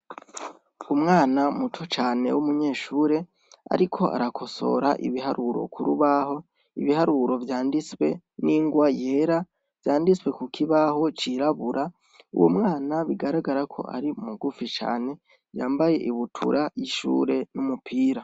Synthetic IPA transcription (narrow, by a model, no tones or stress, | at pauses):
umŋaːnamutʰot͡ʃaːne̞̰wumuɲe̞ːʃuːɾe̞ | a̰ɾikʰo̞ʔa̰ɾakʰo̞so̞̰ɾaʔḭβiɦaɾʔuɾo̞̰kʰuɾuβaho̞ | iβihaɾuɾo̞vjaːndiswe̞̰ | niːŋɡwaje̞ɾa | vjaːndiswe̞kukʰiβaho̞t͡ʃiɾaβuɾʔa | ṵwo̰mŋaːnaβiɡaɾaɡaɾakʰo̞̰ʔa̰ɾiumuɡufit͡ʃa̰ːne̞ | vjaːmbaje̞ʔiβutʰṵɾʔajiʃṵːɾe̞numupʰiːɾa